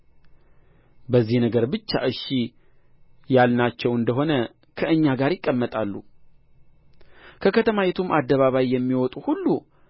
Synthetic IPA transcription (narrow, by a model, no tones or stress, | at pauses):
bəzːihnəɡəɾbɨt͡ʃːa̰ʔɨʃi | jalnat͡ʃːɛwɨnd̪əɦo̞nə | kʰəɨɲːaɡaɾjɪkʼːəmːət̪ʼalːṵ | kʰəkʰət̪ʰəmajɛt̪ʰumʔad̪ːəβaβajːɛmːiwɔt̪ʼuhulːu